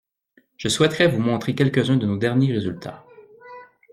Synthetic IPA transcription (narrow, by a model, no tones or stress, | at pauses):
ʒ̥əswɛt̪χɛvumɔ̃t̪χekʲɛlkəzɛ̃d̪ənod̪ɛʁnjeʁezylt̪ʰa̰